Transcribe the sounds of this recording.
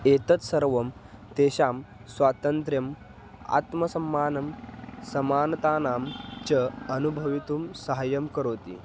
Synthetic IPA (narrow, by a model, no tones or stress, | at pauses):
et̪ət͡ssəɾʋɐmt̪eɕaːm | sʋaːt̪ənt̪ɾjɐm | a̰t̪mɐsɐmːaːnɐmsɐmaːnt̪aːnamt͡ɕəɐnubʱɐʋit̪uːmsəɦajəmkəɾoːt̪ḭː